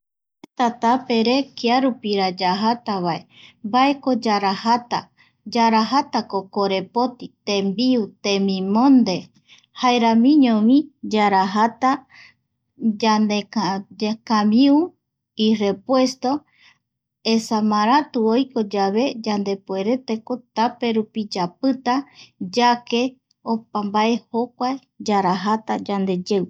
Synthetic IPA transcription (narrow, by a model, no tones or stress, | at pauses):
et̪at̪ape̞ɾe̞kiaɾupiɾad͡ʒaɦat̪aβae̞ | bae̞ko̞d͡ʒaɾahat̪a̰ | d͡ʒaɾaɦat̪akokoɾe̞po̞t̪it̪ẽmbiut̪ẽmĩmõnd̪e̞ | haeɾamĩɲõmĩd͡ʒaɾaɦat̪a | d͡ʒaned͡ʒkamiu | ire̞pwe̞st̪o̞ | esamaɾat̪uojko̞d͡ʒaβe̞d͡ʒand̪e̞pwe̞ɾe̞t̪eko̞t̪ape̞ɾupid͡ʒapɨt̪ad͡ʒake̞ | opambaʔe̞hokʷae | d͡ʒaɾaɦat̪ad͡ʒand̪e̞d͡ʒew